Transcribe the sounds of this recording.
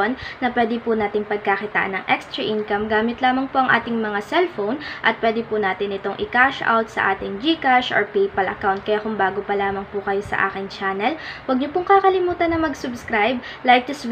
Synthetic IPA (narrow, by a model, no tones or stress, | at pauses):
onːɐpwɛːd̪ɪpʊnaːt̪ɪŋpɐɡ̚kakɪt̪a̰ːʔɐ̰nːɐŋʔɛkst̪ɾɐʔinkɐmɡaːmɪt̪laːmɐŋpoʔɐŋʔa̰ːt̪ɪŋmɐŋasɛlfownʔɐ̰t̪̚pwɛːd̪ɪpʊnaːt̪ɪnɪt̪o̞ŋʔɪ̰kaʃʔa̰wt̪̚sɐ̰ʔa̰ːt̪ɪŋd͡ʒikaʃɔ̰ɹpɛjpɐlʔɐ̰kawnt̪̚kɐjakʊŋbaːɡopɐlaːmɐŋpʊkɐjo̞sɐ̰ʔa̰ːkɪŋt͡ʃaːnɛlwɐɡ̚ɲopʊŋkakɐlɪmuːt̪ɐnːɐŋmɐɡsʊbskɾajb̚ | lajk̪̚ɪs